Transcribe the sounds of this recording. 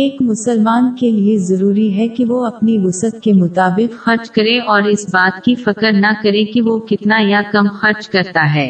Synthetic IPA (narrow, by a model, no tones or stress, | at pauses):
eːkmʊsəlmaːnkeliezɐɾuːɾiɦɛkiʋoɐpniʋʊsət̪̚kemʊt̪aːbɪqxɐɾt͡ʃkɐɾẽʔɔːɾɪsbaːt̪kifɐkəɾnɐkɐɾẽkiʋokɪt̪najakɐmxɐɾt͡ʃkɐɾt̪aɦɛː